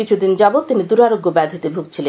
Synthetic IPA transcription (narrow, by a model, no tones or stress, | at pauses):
it͡ɕʰud̪ind͡ʑabot̪inid̪uɾaɾoɡːobɛd̪ʱit̪ebʱuɡ̚t͡ɕʰile